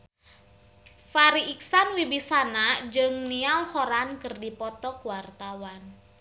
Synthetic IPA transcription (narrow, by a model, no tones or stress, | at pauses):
faɾiʔiksanwibisanad͡ʒɨŋnialhoɾankərdipɔt̪ɔkwart̪awan